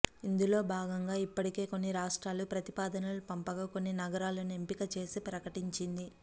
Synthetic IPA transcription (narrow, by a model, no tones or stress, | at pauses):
ind̪ulo̞ːbʱaːɡɐŋɡaːipːɐʈike̞ːko̞nːiɾaːʂʈɾaːlupɾɐt̪ipaːd̪ɐnɐlupɐmpɐɡaːko̞nːinɐɡɐɾaːlɐnempikɐt͡ʃe̞ːsipɾɐkɐʈiɲt͡ʃind̪i